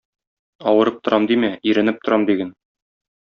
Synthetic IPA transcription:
ɒwɤ̆ɾɤp̚t̪ŏɾʔɑmd̪imæiɾɘ̆nɘp̚t̪ŏɾɑmd̪iɡæn

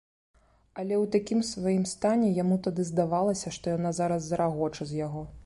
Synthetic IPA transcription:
ɐlʲɛwt̪akʲimsvajimst̪anʲɛjamut̪ad̪ɨzd̪avalˠɐsʲɐʂt̪ɔjanazaɾɐzːɐɾaɣɔt͡ʂɐzʲjaɣɔ

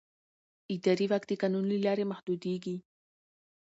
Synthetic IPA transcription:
id̪aɾiβakt̪ikanʊnlilaɾemahd̪ud̪iɡi

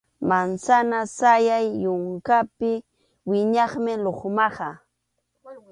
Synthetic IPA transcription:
mansanasajajːʊŋkapɪ | wɪɲɑχmɪloχmɑχɑ

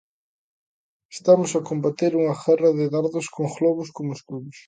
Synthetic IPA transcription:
e̥st̪amʊsakombat̪eɾuŋɐxɛrɐðɪðaɾðʊskoŋɣlɔβʊskomoeskuβʊs

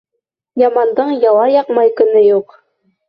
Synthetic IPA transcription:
jɑmɑnd̪ɤɴjɑw̪ɑjɑqmɑjkɵ̆nɘjuq

